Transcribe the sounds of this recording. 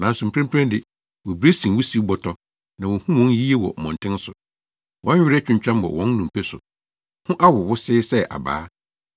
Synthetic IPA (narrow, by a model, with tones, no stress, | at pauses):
nã˨n˦sʊ˨m̩˨pʰɾɛ̃˦m˦pʰɾã˦dɪ˨ | wɔ˨bɾe˦sĩ˨wʊ˦si˦bɔ˨tʰɔ˦ | nã˨wɔ̃˨hũ˦wɔ̃˦n˦ji˦e˦wɔ̰˨mɔ̃˨n˨tʰɪ̃˦n˦sʊ˨ | wʔɔ̃˨˦ɥᶣɪ˦ɾɛ˦t͡ɕᶣʊ̃˨ɲ˨t͡ɕᶣã˦mwɔ̰˨wɔ̃˦nː˦ũ˨m˨pʰɛ˦sʊ̰˨ | hʊ̃˦ʔa˦wʊ˨wʊ˦sɪː˦sɛ˦ʔa̰˨ba̰ː˦